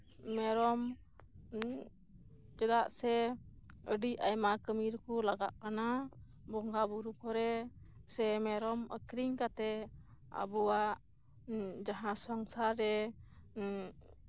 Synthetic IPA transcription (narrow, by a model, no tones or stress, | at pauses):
mɛɾɔm | t͡ʃɛd̪aʔsɛ | əɖiʔajmakəmiɾkulaɡa̰ʔkana | bɔŋɡabuɾukɔɾɛ | sɛmɛɾɔmə̰kɾiŋkat̪ɛ | a̰buwaʔ | d͡ʒaɦãsɔŋsaɾːɛ